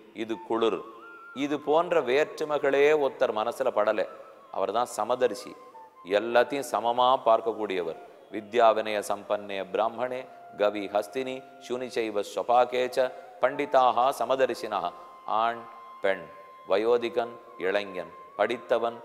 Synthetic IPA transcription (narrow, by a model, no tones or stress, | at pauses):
id̪ukuɭuɾ | iðupoːndrɐʋeːɾʈɾɐmɐɣɐɭeːɔt̪ːɐɾmɐnɐsːilɐpɐɽɐle | ɐ̰ʋɐɾt̪ãːnsɐmɐd̪ɐɾisḭ | ɛlːɐt̪isɐmɐmaːpaːɾkɐkːuːɽijɐʋɐɾ | ʋid̪jaːʋinɐjɐsɐmpɐnːeːbɾaːmbʱɐɳeː | ɡɐʋiɦɐst̪ini | ʃunit͡ʃɐjʋɐsʋɐpaːkeːt͡ʃɐpɐɳɖit̪aːɦɐsɐmɐd̪ɐɾisinɐɦɐ̰ | aːɳ | peɳ | ʋɐjoːd̪ikɐn | ɛɭɐŋjɐn | pɐɽit̪ːɐʋɐn